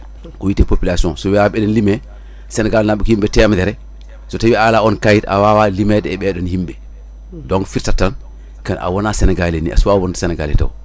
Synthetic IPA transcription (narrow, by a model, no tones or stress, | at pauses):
kɔwitepopilasiɔ̃sɔwiaɓɛdɛnlimɛ | sɛnɛɡaːlnaɓukhimɓɛtɛmdɛɾɛ | sɔtawialaɔnkajita̰wawalimɛdɛɛɓɛɗɔnhimɓɛ | dɔŋfiɾtatːan | kanʔa̰wɔnasɛnɛɡalenḭa̰suwawɔntsɛnɛɡaːlḭta̰w